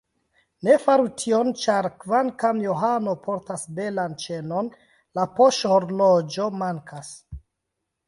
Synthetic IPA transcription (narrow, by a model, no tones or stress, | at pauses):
ne̞faɾutʰiont͡ʃaɾkvankamjoɦano̞pʰo̞ɾtasbe̞lant͡ʃe̞non | lapoʃhoɾlod͡ʒo̞maŋkʰas